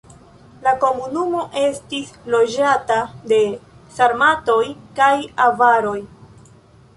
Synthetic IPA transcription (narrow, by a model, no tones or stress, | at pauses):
lako̞munumo̞ʔe̞stislo̞d͡ʒatade̞saɾmato̞jkajavaɾo̞j